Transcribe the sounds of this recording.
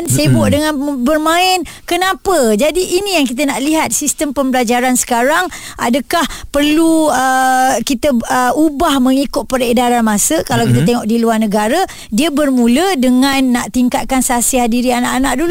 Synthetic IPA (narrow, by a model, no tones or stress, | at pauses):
nsebʔdəŋãnbərmãɪn | kənãpəd͡ʒadiʔːnĩjaŋk̬it̪̬ənaʔliɦat̪̚sist̪əmpəmbəlad͡ʒaɾansə̥kaɾaŋ | ʔadəkahpərluəkit̪əəubahmə̃ŋikʊt̪̚pəɾedaɾanmãsəkalawkit̪̬at̪eŋɔʔ̚diluarnəɡaɾa | diəbərmũlədəŋãnːaʔt̪iŋkat̪̚kansəasiɦadiɾianaʔanaʔ̚dulu